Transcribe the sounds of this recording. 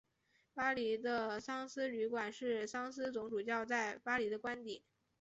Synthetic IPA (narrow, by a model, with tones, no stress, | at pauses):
pa˥li˧˥d̪ə˧sɑ˥ŋsɹ̩˥y˧˥kwa˨˩nʂɻ̩˥˩sɑ˥ŋsɹ̩˥t͡sʊ˧˥ŋʈ͡ʂu˨˩t͡ɕjɑ˥˧ʊt͡sa˥˩ɪpa˥li˧˥d̪ə˧kwa˥nt̪i˨˩˦